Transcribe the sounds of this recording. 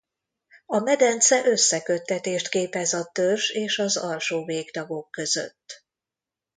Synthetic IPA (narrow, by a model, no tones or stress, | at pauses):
ɒmɛd̪ɛnt̪sɛʔø̞sːɛkø̞t̪ːɛt̪eːʃt̪keːpɛzɒt̪ørʒeːʃɒzɒlʃoːveːɡt̪ɒɡo̞kːø̞zø̰t̪ː